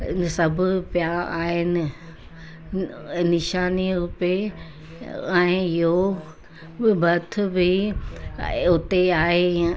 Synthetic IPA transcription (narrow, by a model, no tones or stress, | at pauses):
sɐbʱʊpjaːaːɦɪnɪ̆ | nɪʃaːniɾʊpe | ɛ̃ɪɪɦo | bʱɐt̪ʰʊ̆bɪ | ʊt̪eaːɦe